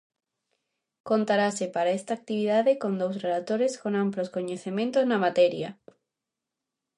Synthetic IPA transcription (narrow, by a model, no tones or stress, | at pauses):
kont̪aɾasepaɾaest̪aːk̚t̪iβ̞iðaðekond̪owsreðat̪oɾeskonamploskoɲeθemẽnt̪oznamat̪ɛɾjɐ